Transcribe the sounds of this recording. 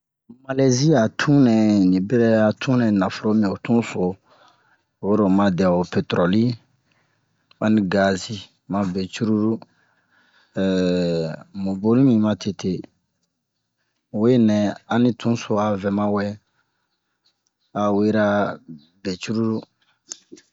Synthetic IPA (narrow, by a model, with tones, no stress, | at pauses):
ma˨le˦zi˦a˨tʰũ˦nɛ̃˨nĩ˨bɛ˦ɾɛ˦a˨tʰũ˦nɛ̃˨nã˨fo˨ɾo˦mĩ˨o˨tũ˦so˨ | we˦ɾo˨mã˨dɛ˨o˨pe˨tɾɔ˨li˦ | a˦nĩ˦ɡa˨zi˦ | mã˨bɛ˨t͡ʃu˦ɾu˦ɾu˦ | mũ˨bo˦lĩ˦mĩ˨mã˧tʰe˨tʰe˨ | we˦nɛ̃˨a˨nĩ˦tʰũ˦so˨a˨vɛ˨mã˦wɛ˦ | a˨we˦ɾa˦ | be˨t͡ʃu˦ɾu˦ɾu˦